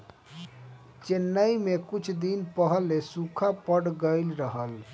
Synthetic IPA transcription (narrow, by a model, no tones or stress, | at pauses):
t͡ʃenːəjmekut͡ʃʰd̪inpəɦəlːesukʰapəɽɡəɪlɾəɦəl